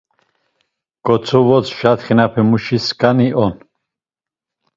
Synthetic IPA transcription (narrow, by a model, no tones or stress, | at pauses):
ɡ̥ɔt͡sʰɔvɔt͡sʰʃat̪χinapʰɛmuʃiskʼaniʔɔn